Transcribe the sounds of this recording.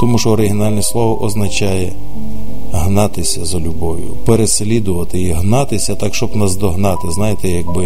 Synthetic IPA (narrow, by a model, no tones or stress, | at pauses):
t̪ɔmuʃɔːɾɪɦʲinɑlʲnʲislˠɔʋɔʔɔznɐt͡ʃɑjɛ | ɦnɑt̪ɪsʲɐzɐlʲʊbɔʋʲjʊ̰peɾeslʲid̪ʊʋɐt̪ɪiɦnɑt̪ɪsʲɐt̪ɑkʃt͡ʃɔbnɐzd̪ɔɦnɑt̪ɪznɑjet̪ɛjɐɡ̚bɪ